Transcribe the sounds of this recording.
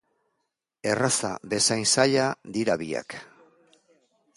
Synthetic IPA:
e̞rasa̰be̞sajnsaʎad̪iɾaβia̰k

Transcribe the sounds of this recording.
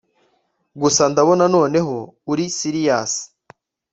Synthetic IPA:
ɡusandaβo̞nano̞ːne̞ɦo̞uɾisiɾijaːsi̥

